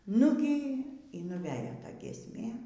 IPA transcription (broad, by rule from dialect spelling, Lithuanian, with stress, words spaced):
ˈnʊɡʲiː iː nʊˈʋʲæːjoː ˈtɐ ɡʲiɛsʲˈmʲeː